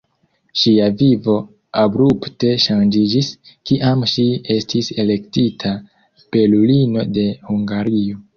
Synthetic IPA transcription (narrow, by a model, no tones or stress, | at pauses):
ʃiavivo̞ | abɾupte̞ʃand͡ʒid͡ʒis | kiʔamʃie̞stise̞le̞ktitʰa | pe̞lulino̞de̞huŋɡaɾio̞